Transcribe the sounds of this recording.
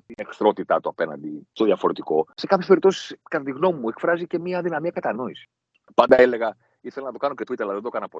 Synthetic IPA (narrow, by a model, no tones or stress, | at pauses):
t̪inekθɾo̞t̪it̪ɐt̪uɐpe̞nɐ̰nd̪ist̪oðiɐfo̞ɾe̞t̪iko̞se̞kɐpçespeɾipt̪osi̥skɐt̪ɐt̪iɣno̞mimːue̞kfɾɐzice̞miɐðinɐmiɐkɐt̪ɐno̞isi̥ | pɐnd̪ɐele̞ɣɐ | iθelɐnɐt̪o̞kɐno̞cet̪uit̪eɾlɐðend̪okɐnɐpo